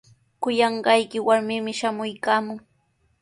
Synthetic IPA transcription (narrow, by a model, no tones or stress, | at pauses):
kʊjɑɴɢɑjkɪwaɾmɪmɪʃamʊjkaːmʊŋ